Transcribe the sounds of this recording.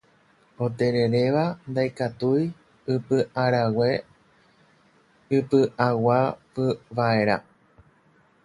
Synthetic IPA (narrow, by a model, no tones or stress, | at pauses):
o̞t̪e̞ɾe̞ɾe̞ʋand̪ajkat̪uj | ɨpɨʔaɾawe̞ | ɨpɨʔawapɨʋae̞ɾa̰